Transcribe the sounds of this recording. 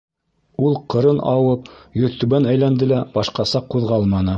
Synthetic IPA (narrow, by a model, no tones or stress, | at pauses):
ulˠqɤ̆ɾɤnɑwɤp̚jɵ̆ðt̪ɵβænæjlænd̪ɘlæb̥ɑʃqɑsɑqːuðʁɑlˠmɑnɤ